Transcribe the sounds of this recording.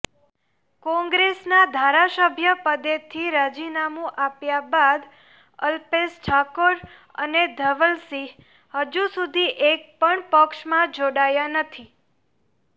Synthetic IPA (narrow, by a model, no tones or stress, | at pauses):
kɔ̃ŋɡɾesnad̪ʱaɾasəbʱjəpəd̪et̪ʰiɾad͡ʒinamũʔapjabad̪ | əlpesʈʰakoɾ | ə̰ned̪ʱəʋəlsi | həd͡ʒusud̪ʱiʔek̚pəɳpəkʃmãd͡ʒoɽajanət̪ʰi